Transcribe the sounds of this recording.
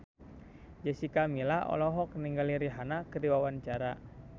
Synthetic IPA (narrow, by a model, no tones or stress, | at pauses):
d͡ʒɛsikamilahɔ̰lɔɦɔk̚niŋɡaliɾiɦanakədiwawant͡ʃaɾa